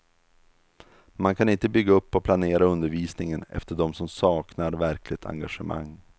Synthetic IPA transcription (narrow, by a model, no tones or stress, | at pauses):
mankʰanɪnt̪əbʏɡːaɵpːɔpʰlaneːɾaɵnd̪əɾviːsnɪŋənɛ̰ft̪əɖɔmsɔmsɑːknaɾvæɾkʰlɪt̪ʰa̰ŋɡaʂəma̰ŋː